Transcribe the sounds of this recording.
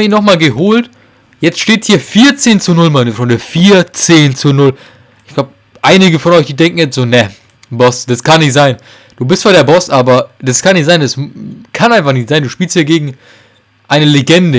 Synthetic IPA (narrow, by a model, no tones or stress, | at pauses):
iːnɔχmaːlɡəɦoːlt | jɛt͡stʃteːthiːɐfiːɐt͡seːnt͡sunʊlmanəfɾɔndɐfiːɐt͡seːnt͡sunʊl | ʔɪçɡ̥laʊp | ʔaɪnɪɡəfɔnʔɔʏçd̥iːdɛŋkŋ̩jɛt͡stz̥oːnɛ | bɔsd̥askʰanːɪçtz̥aɪn | d̥uːbɪstfaɐɾeːɐbɔsʔaːbɐd̥askʰanɪçtz̥aɪndaskʰanʔaɪnfaχnɪçtz̥aɪnduːʃpiːlsthiːɐɡeːɡŋ̩ | ʔaɪnəleɡɛndə